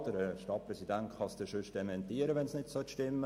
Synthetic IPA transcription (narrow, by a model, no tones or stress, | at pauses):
d̥əɾəʃtɑt̚prɛsidæntχɑsd̥̪əʃʏʃd̥ɛmɛnt̪iːəɾəʋɛnsnɪtsœtʃtɪmːə